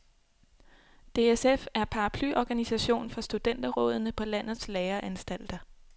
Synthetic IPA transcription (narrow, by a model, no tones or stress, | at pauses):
d̥e̝esefæɐpʰɑ̈ɑpʰlyʔɒɡ̥ænisæɕo̝̰ːnfɒ̽sd̥ud̥en̰d̥ɐʁɔ̽ːð̞ˠnəpʰɒ̽læn̰ð̩ˠsleːɐʔænsd̥æl̰d̥ɐ